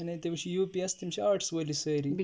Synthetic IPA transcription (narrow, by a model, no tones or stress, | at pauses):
ɐnet̪eʋɕijuːpiɐst̪imɕiaːɾʈʰsʋəlisəɾi